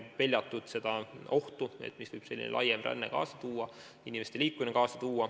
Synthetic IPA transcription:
pe̞lʲjɑt̪ːˑud̪̥se̞d̪̥ɑo̞ht̪uḛt̪ːˑmisv̥ɤjb̥se̞lʲːḭnḛlʔɑ̰jemræ̰nːḛkɑ̰ːsɑt̪uːɑ | inʲime̞st̪elʲiːkːuminekɑːsɑt̪uːɑ

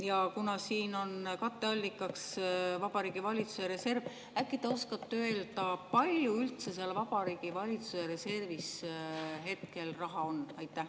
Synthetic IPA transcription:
jɑkunɑsiːno̞nkɑt̪ˑːe̞ɑlʲːikːˑɑksvɑb̥ɑɾiːɡ̥ivɑlʲit̪su̥seɾe̞se̞rv | ækːˑit̪eo̞skɑt̪ːˑeld̪̥ɑpɑlʲjuylt̪se̞seɑlvɑb̥ɑɾiːɡ̥ivɑlʲit̪suseɾe̞se̞rvis | ɦe̞t̪ke̞lrɑɦɑo̞nːɑjt̪ːˑæh

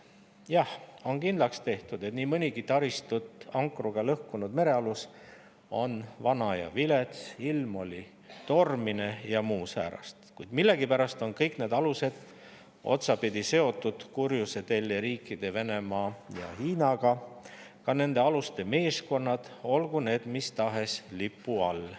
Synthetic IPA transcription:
jɑho̞nkind̪lɑkst̪e̞ht̪ud̪̥e̞t̪niːmɤnʲiɡ̥it̪ɑɾist̪ut̪ˑɑŋkruɡ̥ɑlɤhkunud̪me̞ɾe̞ɑlus | o̞nvɑnɑjɑ̰vilet̪silmo̞lʲi | t̪o̞rmine̞jɑmuːsæ̰ːɾɑ̰st̪kujd̪milːe̞ɡipæɾɑst̪o̞nkɤjkne̞ːd̪̥ɑluse̞d̪̥ | o̞̰t̪sɑpid̪̥ʲise̞o̞t̪ːˑud̪̥kurjuse̞t̪elːeɾiːkːˑid̪̥e̞ve̞ne̞mɑːjɑ̰hiːnɑɡ̥ɑ | kɑne̞nd̪e̞ɑlust̪e̞me̞ːsko̞nːɑd̪̥o̞lɡ̥une̞ːd̪̥mist̪ɑɦe̞slipːuɑl

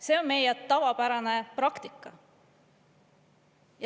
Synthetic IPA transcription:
se̞ːonme̞jɛt̪ɑvɑpæɾɑnepɾɑkt̪ikːˑɑ | jɑ

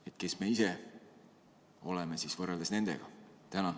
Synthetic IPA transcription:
e̞t̪̚ke̞sme̞ise | o̞lemesisvɤrːeld̪̥esne̞nd̪̥e̞̰ɡ̥ɑt̪ænɑ

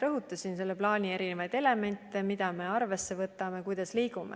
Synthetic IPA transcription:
ɾɤɦut̪ːˑɑsinse̞lːeplɑːnʲie̞ɾinevɑjd̪̥e̞le̞me̞nʲt̪ːˑemid̪̥ɑme̞ɑrve̞sːe̞vɤt̪ːˑɑme̞kujd̪̥ɑsliːɡumḛ

